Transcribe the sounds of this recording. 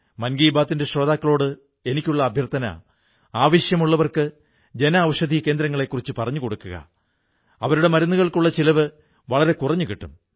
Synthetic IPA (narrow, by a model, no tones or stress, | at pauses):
mɐnɡiːbaːt̪ːinde̞ɕro̞ːd̪aːkːɐɭoːɽɨ | e̞nikʲːuɭːɐːbʱjɐrt̪ʰɐnɐ̰ | aːʋɐɕjɐmuɭːɐʋɐrkɨ | d͡ʑe̞nɐːʋɐʂɐd̪ʱike̞ːnd̪ɾɐŋːɐɭe̞kːurit͡ɕːɨpɐrɐɲːuko̞ɽukːuɣɐ̰ | ɐʋɐɾuɽe̞mɐɾɐnːuɣɐɭkuɭːɐt͡ɕilɐʋɨ | ʋɐɭɐɾe̞kurɐɲːukiʈːum